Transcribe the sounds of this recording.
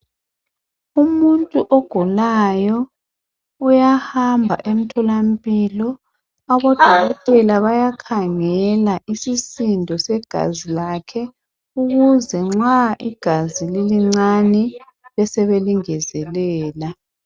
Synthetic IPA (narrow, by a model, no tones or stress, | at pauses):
umuntʼuʔɔɡ̥ʱulajɔ | ujahambʱa̰ʔem̩tʰɔlam̩pʼilɔ | aβɔd̥ʱwʱaɣɔtʼɛlaβajakʰaŋɛlaʔisisindʱɔsɛɡ̥ʱa̰zilakʰɛ | uɣuzɛŋ͡ǁaʔḭɡ̥ʱazililiŋ͡ǀanɛ | lɛsɛβeliŋɛzɛlɛːla